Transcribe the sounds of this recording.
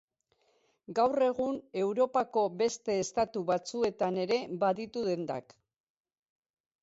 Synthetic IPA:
ɡawre̞ɣ̞une̞wɾo̞pako̞be̞st̪e̞ːst̪at̪uβat͡sue̞t̪ane̞ɾe̞βaðit̪uðe̞nd̪a̰k

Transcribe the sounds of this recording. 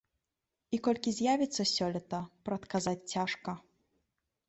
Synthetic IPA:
ikɔlʲkʲizʲjavʲit̪sːɐsʲɔlʲɛt̪ɐpɾɐt̪kazat͡sʲt͡sʲaʂkɐ

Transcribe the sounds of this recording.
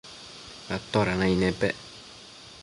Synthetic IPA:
ɾat̪ːoɾanainepɛ

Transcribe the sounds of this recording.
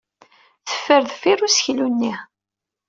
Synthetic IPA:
θə̥fːəɾðfirusçlunːi

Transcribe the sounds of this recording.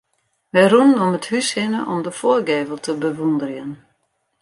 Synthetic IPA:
ʋɛjrunnɔməthyshɪnəʔɔmdəfoːrɡeːvəlˠtʰəbəʋundərjən

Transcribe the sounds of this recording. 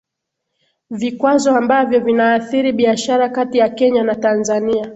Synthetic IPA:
vikwazɔambavjɔvinaːθiɾiɓiaʃaɾakatijakɛɲanatanzania

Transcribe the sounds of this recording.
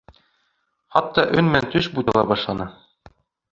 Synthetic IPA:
χɒt̪ːɑʔɵnmænt̪ɵʃbujd̪ɤ̆lˠɑbɒʃlˠɑnɤ

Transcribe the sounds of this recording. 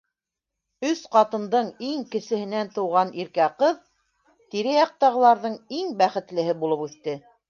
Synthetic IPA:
ɵsqɑt̪ɤ̆nd̪ɤɴiŋkɘ̆sɘ̆hɘ̆nænt̪ɤ̆wʁɑnʔiɾkæqɤð | t̪iɾɘjɑq̚t̪ɑʁɤ̆lˠɑɾðɤɴiŋbæχɘ̆t̪lɘ̆ɦɘbulˠɤpʉθt̪ɘ

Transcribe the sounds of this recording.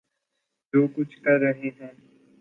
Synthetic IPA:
d͡ʒoːkʊt͡ʃʰkɐɾːəɦeɦɛː

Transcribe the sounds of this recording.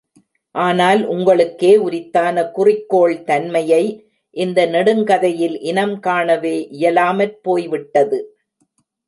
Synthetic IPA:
ʔaːnaːlʔʊŋɡɐɭɯkːeːʊɾɪt̪ːaːnɐkʊrɪkːoːɭt̪ɐnmɐjɐɪ | ʔɪnd̪ɐnɛɽɯŋkɐðɐjɪlʔɪnɐmkaːɳɐʋeːʔɪjɐlaːmɐɾpoːjʋɪʈːɐðɯ

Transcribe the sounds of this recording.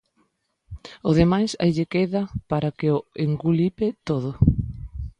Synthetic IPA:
ʊð̞emajsa̰jʎekeðɐpaɾakeoeŋɡulipɪt̪oð̞ʊ

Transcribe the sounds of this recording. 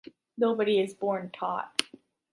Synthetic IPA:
noʊbɨɾiɪzbɔɹntʰɔ̰t̚

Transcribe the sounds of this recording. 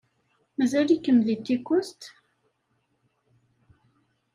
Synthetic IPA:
mæzælikːəmðit̪ːikːʊst̪

